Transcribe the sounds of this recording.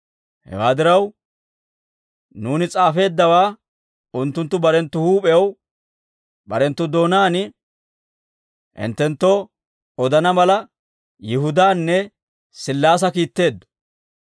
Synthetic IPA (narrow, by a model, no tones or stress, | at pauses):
hɛ̰waːd̪ɪɾɐw | nuːnɪt͡sʼaːfe̞ːd̪ːɐwaː | ʊnt̪ːʊnt̪ːʊbɐɾɛnt̪ːʊhuːpʼɛw | bɐɾɛnt̪ːʊd̪o̞ːnaːnɪ | ʔɪ̰nt̪ːɛnt̪ːo | ɔd̪ɐnɐmɐlɐ | jɪɦʊd̪aːnːɛ | sɪlːaːs̬ɐkiːt̪ːe̞ːd̪ːɔ̥